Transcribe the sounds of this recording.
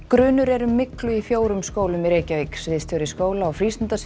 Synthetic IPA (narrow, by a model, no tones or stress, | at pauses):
kɾʏːnʏɾɛɾʏmːɪklʏifjoːwɾʏmskoːwlʏmiɾeːjcavejksvɪðst̪ʰjɔwɾɪskoːwlaːwfɾist̪ɪnt̪as